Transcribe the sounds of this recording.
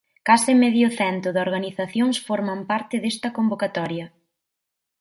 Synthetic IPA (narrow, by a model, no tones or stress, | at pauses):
kasɪmeðjʊθɛnt̪ʊðoɾɣaniθaθjoŋsfɔɾmɐmpaɾt̪ɪðest̪ɐkombokat̪ɔɾjɐ